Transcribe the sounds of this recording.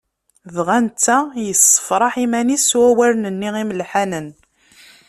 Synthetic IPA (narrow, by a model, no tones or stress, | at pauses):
ðʁænt͡sːæjəsːə̥fɾˤɑħimæniswæwæɾnənːiʁimlħænən